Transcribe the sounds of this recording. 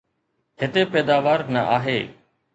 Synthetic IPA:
ɦɪt̪epɛːd̪aːʋaːɾnəʔaːɦeː

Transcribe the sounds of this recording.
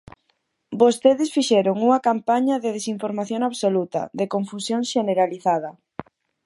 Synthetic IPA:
bost̪eðɪsfiʃɛɾoŋuŋɐkampaɲɐðeð̞esiɱfoɾmaθjoŋaβsolut̪ɐ̰ðekoɱfusjoŋʃeneɾaliθað̞ɐ

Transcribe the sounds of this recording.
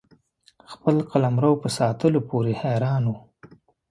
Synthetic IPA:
xpəlqalamɾawpəsɑːt̪əlopoɾehɛɾɑːnu

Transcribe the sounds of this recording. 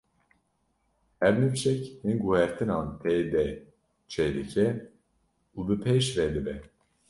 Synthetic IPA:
ɛvnyft͡ʃɛchinɡuhɛɾt̪ʰɨnaːnt̪ʰɛjd̪ɛ | t͡ʃʰɛd̪ɨcʰɛ | ubɨpʰeʃvɛd̪ɨbɛ

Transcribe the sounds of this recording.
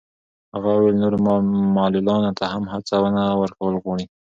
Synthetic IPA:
haɣɑwelnoɾomɑlulɑnot̪ʰahamhat͡sawənawəɾkawəlɣwɑɳi

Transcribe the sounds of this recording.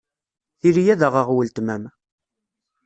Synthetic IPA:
θiɾijæðəʁəʁwəlt̪mæm

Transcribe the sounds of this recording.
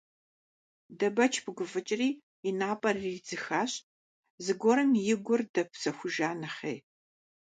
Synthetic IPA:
dɐbɐt͡ʃʰbʰɨɡʷʊfɨt͡ʃʼɪriː | inaːpʼɐrid͡zɨxaːɕ | zɨɡʷɔɾɐmjɪɡʷʊrdɐpʰsɐxʷʊʒaːnɐχeːj

